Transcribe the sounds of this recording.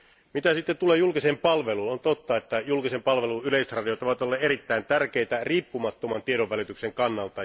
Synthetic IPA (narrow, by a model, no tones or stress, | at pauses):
mit̪æsit̪ːett̪ulejulkisempɑlʋelunont̪ot̪ːɑet̪ːæjulkisempɑlʋe̞luyleiset̪rɑdijot̪oʋɑt̪olːeeɾit̪ːæint̪ærk̟eit̪æriːpːumɑt̪ːomɑnt̪ieɾoʋːælit̪ykseŋkɑnːɑlt̪ɑ